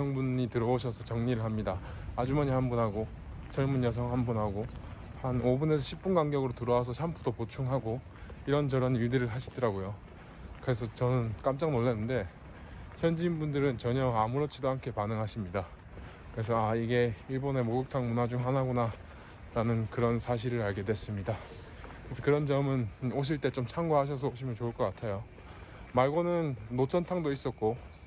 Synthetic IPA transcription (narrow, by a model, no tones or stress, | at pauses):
ʌŋbunitɯɾʌoɕʰʌsʰʌt͡ɕʌŋɲiɾɯɭɦamɲidaː | d͡ʑumaɲihanbunɦaɡo | t͡ɕʌɭmunjʌs̬ʰʌŋɦanbunhaɡo | hanobune̞s̬ʰʌɕʰip̚p͈unɡaŋɡjʌɡɯɾotɯɾʌwas̬ʰʌɕʰampʰudopot͡ɕʰuŋɦaɡo | iɾʌnt͡ɕʌɾʌniɭdɯɾɯɭɦaɕʰi̥dɯɾaɡojo | kɯɾe̞s̬ʰʌt͡ɕʌnɯnk͈amt͡ɕ͈aŋnoɭːenːɯnde̞ | çʰjʌnd͡ʑiːnbundɯɾɯnt͡ɕʌɲʌamuɾot͡ɕ͈ʰidoɦankʰe̞panɯŋɦaɕʰimɲida | kɯɾe̞sʰʌaiɡe̞iɭbʌne̞moɡɯk̚tʰaŋmunad͡ʑumɦanɦaɡona | ɾanɯnkɯɾʌnsʰaɕ̬ʰiɾɯɾaɭɡe̞dwe̞s͈ɯmɲida | kɯɾesʰʌkɯɾʌnd͡ʑʌmɯnoɕ̬ʰiɭt͈e̞t͡ɕomt͡ɕʰaŋɡwaɦaɕ̬ʰʌs̬ʰʌopɕ͈ʰimjʌnt͡ɕouɭk͈ʌk͈atʰejo | maɭɡonɯnːot͡ɕʰʌntʰaŋdois͈ʌt̚k͈o